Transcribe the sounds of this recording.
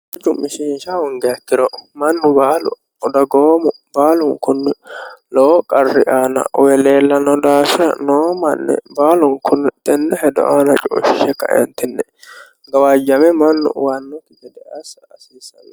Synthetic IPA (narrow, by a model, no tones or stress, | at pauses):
d͡ʒʊmɪʃiːnʃawɔŋɡɛɐk̪ːɪɾɔʔmɐnːʊbaːlʊ | ɔd̪ɐɡoːmʊbaːlʊŋkʊnːɪloːkʼɐrːɪʔaːnɐ̰ɔwɛleːlːɐnɔd̪aːfɪɾɐ̰noːmɐnːɛ̰baːlʊŋkʰʊnːt̪ɛnːɛhɛd̪ɔ̰ʔaːnɐt͡ʃʼo̰ːʃɪʃɛkɐ̰ʔɛ̰nt̪ɪnːɛ | ɡɐwaːd͡ʒːɐmɛmɐnːʊ̰waːnːɔkːɪɡɛd̪ɛʔɐsːsiːsɐw